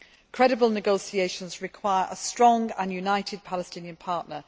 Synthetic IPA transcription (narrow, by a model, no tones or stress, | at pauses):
kʰɹ̥ɛɾɪbəlˠnɪɡoʊsieɪʃə̃nzɹɪkʰw̥aɪəɹʔəstɹ̥ɒ̃ŋɡə̰̃njunaɪtʰɪd̚pʰalɪstɪ̃njə̃npʰɑˑʔnə